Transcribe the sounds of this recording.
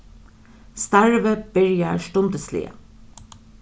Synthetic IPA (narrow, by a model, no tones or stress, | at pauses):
st̪æɹʋəb̥ɪɹjæːʃʈʊnd̪əslḭːə̰